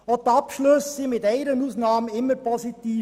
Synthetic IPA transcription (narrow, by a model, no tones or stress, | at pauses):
ot̪ɑpʃlɵssimɪtɛɪɾənuːsnɑːmnɪmːəpʰɔzit̪iː